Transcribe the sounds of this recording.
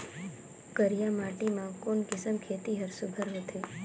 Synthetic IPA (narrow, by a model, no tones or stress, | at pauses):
kəɾjamaʈimãkonkɪsəmkʰet̪iɦəɾsubʱəɾɦot̪ʰe